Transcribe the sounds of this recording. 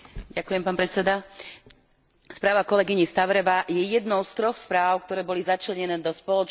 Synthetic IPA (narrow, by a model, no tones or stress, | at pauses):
ɟakujɛmpaːnpɾɛt͡sɛd̪a | spɾaːʋakɔlɛɡiɲist̪aʋɾɛʋajɛjɛd̪nɔʊst̪ɾɔxspɾaːʊkt̪ɔɾɛːbɔlizat͡ʃlɛɲɛnɛːd̪ɔspɔlɔt͡ʃ